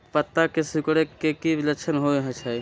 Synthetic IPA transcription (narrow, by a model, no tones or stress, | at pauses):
pət̪ːakesukɽekːekiləkt͡ʃʰənɦoeɦət͡ʃʰaj